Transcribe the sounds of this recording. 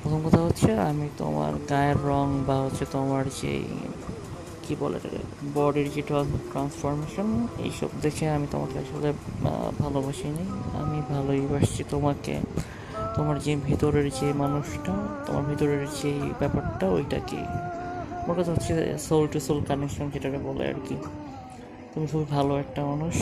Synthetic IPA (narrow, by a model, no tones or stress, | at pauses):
pɾot̪ʰomkɔt̪ʰaɦotːɕʰeamit̪o̰ma̰ɾɡajeɾːɔŋbaɦotːɕʰet̪omaɾd͡ʑḛ | kibɔlḛt̪a̰bɔɖiɾd͡ʑeʈɾaʈɾansfoɾmeʃonḛjʃɔ̰bd̪ekʰeamit̪o̰makeaʃolebʱalobaʃijneja̰mibʱalojbaʃt͡ɕʰit̪omakḛ | t̪omaɾd͡ʑebʱit̪oɾeɾd͡ʑejmanuʃʈat̪o̰ma̰ɾbʱit̪oɾeɾd͡ʑejbɛpaɾʈao̰jʈa̰kḛt̪omaɾkat̪ʰɦotːʰesolʈusolkanekʃɔnd͡ʑeʈaʈabɔlḛa̰ɾki | t̪umikʰubibʱaloɛk̚ʈaɔnuʃ